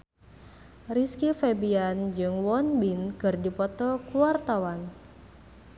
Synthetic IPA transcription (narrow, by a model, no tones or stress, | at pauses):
riskifebiand͡ʒɨŋwɔnbinkɨrdipɔt̪ɔkuart̪awan